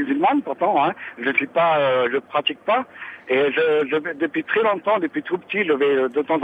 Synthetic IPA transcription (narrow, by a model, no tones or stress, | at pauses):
yzylmanpuʁt̪ɑ̃ɛ̃ʒəsɥipaøʒəpχat̪ik̚paeʒəʒəvɛd̪əpɥit̪χɛlɔ̃t̪ɑ̃d̪əpɥit̪χupə̥t̪iʒəvɛd̪ot̪ɑ̃z